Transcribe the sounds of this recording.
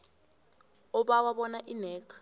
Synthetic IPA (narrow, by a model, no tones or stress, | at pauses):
ɔɓawaɓɔnaʔinɛːkʰḁ